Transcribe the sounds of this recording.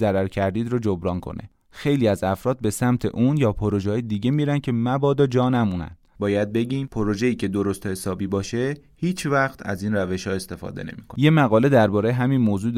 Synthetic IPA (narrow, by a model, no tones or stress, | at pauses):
zæɾæɾcʰæɾd̪iːd̪ɾod͡ʒobɾɒːnkʰo̞̰ne̞̰ | xe̞jliːæzæfɾɒːd̪̚be̞sæmt̪ʰe̞̰ʔuːnjɒːpʰoɾo̞ʒːjed̪iːɟe̞miːɾænd̪̚cʰe̞mæbɒːd̪ɒd͡ʒɒːnæmuːnæ̰n̥bɒːjæd̪̚be̞ɟiːmpʰoɾo̞ʒe̞iːcʰe̞d̪o̞ɾost̪ohe̞sɒːbiːbɒːʃe̞hiːt͡ʃʰvæxt̪ʰæ̰ziːnræve̞ʃhɒːe̞st̪e̞fɒ̰ːd̪e̞ne̞̰miːkʰoje̞mæɣɒːle̞d̪æɾbɒːɾejeɦæmiːnmoːzuː